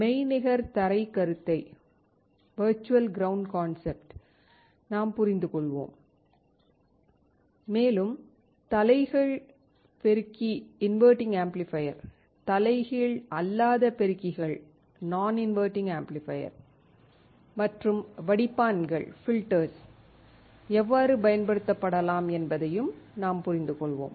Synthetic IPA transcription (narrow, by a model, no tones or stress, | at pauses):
mɛɪnɪɣɐɾt̪ɐɾɐɪkɐɾɯt̪ːɐɪ | ʋɐɾt͡ʃːʊʋɐlɡɪɾɐʊɳɖkaːnsɛp̚ʈ | naːmpʊɾɪnd̪ɯkɔɭʋo̰ːm | meːlɯm | t̪ɐlɐɪɣɐɭ | pɛɾɯkːiɪnʋəːɾʈɪ̃ŋɡaːmplɪfɐjɐɾ | t̪ɐlɐɪɣiɭɐlːaːðɐpɛɾɯkːɪɣɐɭ | naːnɪnʋɐːɾʈɪ̃ŋɡaːmplɪfɐjɐ̰ɾ | mɐʈrɯmʋɐɽɪpːaːnɡɐ̰ɭfɪlʈɐɾs | ɛʋːaːɾɯpɐjɐnpɐɽɯt̪ːɐpːɐɽɐlaːmɛnbɐðɐjɯmnaːmpʊɾɪnd̪ɯkɔɭʋo̰ːm